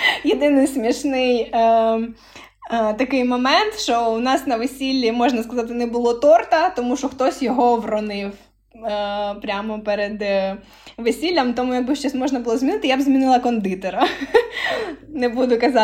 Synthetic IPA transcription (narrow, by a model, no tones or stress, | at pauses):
jed̪ɪnɪjsmʲiʃnɪjə | t̪ɐkɪjmɔmɛnt̪ʃɔwnɑsnɐʋesʲilʲːimɔʒnɐskɐzɑt̪̬ɪnɛbʊlˠɔt̪ɔrt̪ɐt̪ɔmuʃɔxt̪ɔsʲjɔɦɔʋrɔnɪw | pɾʲamɔpɛɾed̪ | ʋesʲilʲːɐmt̪ɔmujɐɡ̚bɪʃt͡ʃɛsʲmɔʒnɐbʊlˠɔzmʲinɪt̪ɪjabzʲmʲinɪlˠɐkɔnd̪ɪt̪ɔɾɐ | nɛbud̪ʊkɐzɑ